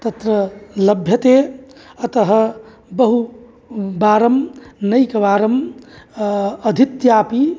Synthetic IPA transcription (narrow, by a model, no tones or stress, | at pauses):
t̪ət̪ɾələbʱjət̪eət̪əɦə | bəɦu | baːɾəmnəjkɐbaːɾəm | əd̪ʱit̪japi